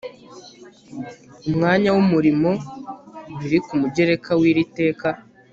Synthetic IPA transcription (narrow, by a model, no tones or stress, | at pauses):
umŋaːɲawumuɾimo̞ | βiɾikumuɟe̞ɾe̞kʰawiːɾite̞ːka